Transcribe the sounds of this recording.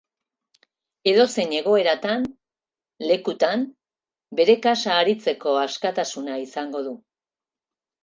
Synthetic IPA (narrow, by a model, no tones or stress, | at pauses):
e̞ðo̞se̞ɲe̞ɣ̞o̞e̞ɾat̪an | le̞kut̪am | be̞ɾe̞kasaːɾit͡se̞ko̞askat̪asunaisaŋɡo̞ðu